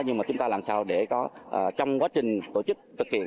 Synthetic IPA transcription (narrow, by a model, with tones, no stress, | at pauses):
ɲɨ˧maː˨˩t͡ɕʊ˨˦ŋ͡mt̪a˧laː˨˩msaː˧wɗe˧˩kɔ˨˦ʔːt͡ɕɔ˧wŋ͡mkwaː˨˦t͡ɕï˨˩ŋ̟t̪o˧˩t͡ɕɨ˦˥k̚t̪ʰɨ˨˩k̚hḭ˧˨ə